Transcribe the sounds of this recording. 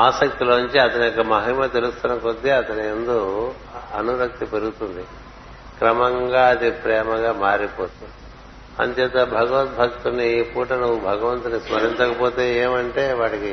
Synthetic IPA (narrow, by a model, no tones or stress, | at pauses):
aːsɐk̚t̪iloːnuɲt͡ʃiɐt̪ɐniɔkːɐmɐɦimɐt̪elust̪unɐkod̪ːiɐt̪ɐniend̪oː | ɐnuɾɐk̚t̪ipeɾuɡut̪und̪i | kɾɐmɐŋɡaːɐd̪ipɾɛːmɐɡaːmaːɾipoːt̪und̪i | ɐ̰nd̪ɛːt̪ɐbʱɐɡɐʋɐt̪̚bʱɐkt̪unipuːʈɐnuʋubʱɐɡɐʋɐnt̪unismɐɾint͡ʃ̪ɐkɐpoːt̪e̞ːeːmɐɳʈe̞ːʋaːʈiki